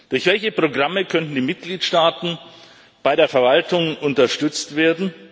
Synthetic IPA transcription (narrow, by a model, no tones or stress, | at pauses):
d̥ʊɐçvɛlçəpʁ̥oɡʁaməkʰœntn̩diːmɪt̚ɡ̥liːtʃtaːtn̩ | b̥aɪɾeːɐfɛɐvaltʊŋʔʊntɐʃtʏt͡stv̥eːɐdn̩